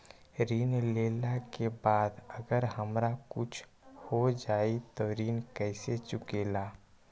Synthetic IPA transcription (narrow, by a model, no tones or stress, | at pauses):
ɾiːnleːlakebaːd̪əɡəɾɦəmɾakʊt͡ʃʰ | hod͡ʒaːit̪oɾiːnkɛɪset͡ʃʊkeːlaː